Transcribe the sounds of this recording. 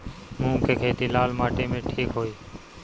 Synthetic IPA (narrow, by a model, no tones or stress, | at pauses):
mũːkeːkʰeːt̪iːlaːlmaːʈeːmẽːʈʰiːkɦoːiː